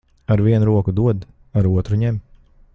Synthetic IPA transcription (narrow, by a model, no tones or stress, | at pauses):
aɾviɛnuɾuɔkud̪uɔd̪ | aɾuɔt̪ɾuɲɛm